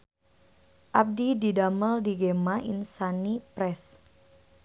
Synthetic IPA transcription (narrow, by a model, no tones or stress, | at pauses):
ʔap̚dididaməldiɡemaʔḭnsanipɾɛs